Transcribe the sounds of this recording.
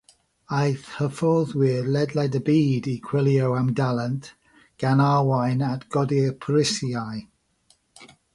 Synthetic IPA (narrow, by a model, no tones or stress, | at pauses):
ajθhəfɔðwilɛdlˠajdəbiːdikʰw̥ɪlˠjowamdalˠənt | ɡ̥anawajnatɡ̥ɔdipʰɾɪsjaj